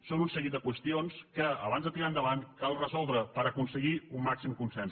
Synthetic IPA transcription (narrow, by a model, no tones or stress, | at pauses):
sonunsəɣit̪d̪əkwəst̪ionskəəβanzðət̪iɾaənd̪əβankalˠrəzɔlˠd̪ɾəpəɾəkunsəɣiumːaksimkunsɛns